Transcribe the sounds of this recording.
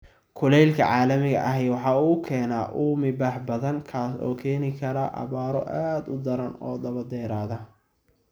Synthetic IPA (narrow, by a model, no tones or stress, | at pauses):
kʰʊlɛjlkʰɐ̰ʕɑːlɐmɪɣɐ̰ʔɐɦɛjwɑħɑːuːkʰɛːnaːʔuːmɪbaːħbɐðɐŋkʰaːsɔ̰ːkʰɛːnɪkʰɐɾɐʔɑ̰βaːɾɔ̰ʔaːd̪ʊd̪ɐɾɐnɔ̰ːd̪ɐβɐd̪ɛːɾaːðɐ